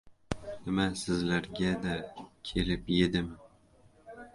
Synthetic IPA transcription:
nɪmasɪzlaɾɡʲad̪akʲʰe̞lɪpje̞d̪ɪm

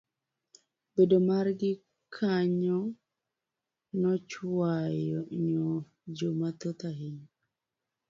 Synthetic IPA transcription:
b̥edomaɾɡɪ | kʰaɲɔ | nɔt͡ʃwajɔɲɔ | d͡ʒomat̪ot̪aɦiɲ

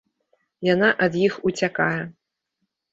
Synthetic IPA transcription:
jan̪aʔɐd̪jixut͡sʲakajɛ

